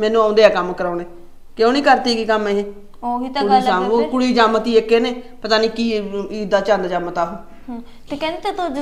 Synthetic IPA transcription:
mɛ̃ːnũːãːʊ̃nd̪eːɛːkəmkəɾaːneː | keoːnĩːkəɾt̪iːkiːkəmeːɦe | okit̪ːʊɽiːsaːkʊɽiːd͡ʒaːmət̪iːekːeːneːpət̪aːniːkiːiːd̪aːt͡ʃãːnd̪d͡ʒaːmət̪aːɦõː | t̪eːkɛ̃ːnd̪eːt̪at̪o

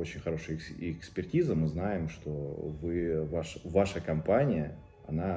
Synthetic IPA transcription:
o̞t͡ɕɪnʲxɐɾo̞ʂɨjɪkspʲɪrtʲizəmɨznajɪmʂt̪o̞vɨvaʂvaʂəkɐmpanʲɪjə | ɐ̰na

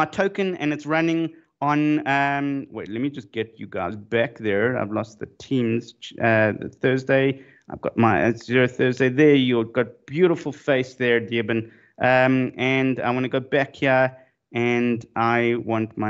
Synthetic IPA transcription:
aɪtʰoʊkɨ̃nɨ̰̃nɨtsɹʌnɪ̃ŋ | ə̃nʌmweɪtlɛt̚mid͡ʒʌsɡ̥ɛt͡ʃɨɡa̰ɪzbæk̚ðə˞a̰ɪvlɔst̪̚ðɨtʰĩmz̥ʌ̰θɜ˞zdeɪ | aɪvɡɑ̰t̚maɪ̰əθɜ˞zdeɪðə˞jɨɡɑt̚b̥jʉɾəfl̩ˠfeɪsðə˞dibɨ̃n | ʔʌmɨ̃nda̰ɪwɑ̃nɨɡoʊbækhi | ɨ̃nʔaɪwɑ̃ntmaɪ

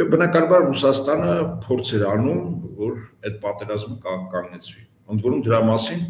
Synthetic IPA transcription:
bənɑkɑnɑbɑɾrusɑst̪ɑnəpʰɔɾt͡sʰɛɾɑnumvɔɾɛt̪̚pɑt̪ɛɾɑzməkkɑŋɡnɛt͡sʰvi | ənd̪vɔɾumd̪əɾɑmɑsin

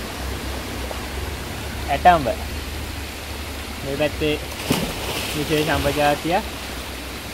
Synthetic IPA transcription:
æʈamʋə | meːʋæt̪ːe | ʋiseːʃambəd͡ʒaːt̪ːija

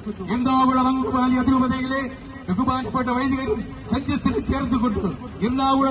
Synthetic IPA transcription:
ɛnd̪aːʋɯɽɐɾɐŋɡɯbaːliɐðɪɾɯbɐðɐɡɐleː | ɛɣɯbaːnɡɐpːɐʈːɐʋɐjðɯɣɐɾɯm | sɐɲd͡ʒjɐt̪ːɪlɐt͡ʃeːɾɯkːɔɳɖɯ | ɛlːaːʋɯɽɐ

